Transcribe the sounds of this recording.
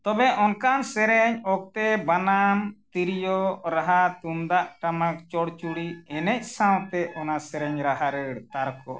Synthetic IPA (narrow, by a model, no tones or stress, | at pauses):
t̪ɔbɛʔɔnkansɛɾɛɲɔk̚t̪ɛbanamt̪iɾijɔɾaɦat̪umd̪aʔʈamak̚t͡ʃɔɽt͡ʃuɽiɛnɛc̚sãwt̪ɛʔɔnasɛɾɛɲɾaɦaɾəɽt̪aɾkɔ̰ʔ